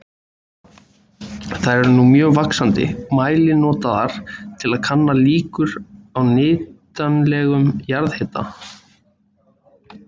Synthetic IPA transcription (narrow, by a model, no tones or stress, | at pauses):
θaðɾɛɾnumjœːɣvaksant̪ɪ̰maːjlɪnɔːt̪aðaɾ̥t̪ʰɪlaðkʰanːaliːkʏɾawnɪːt̪anlɛɣʏmjaɾðhɛt̪a̰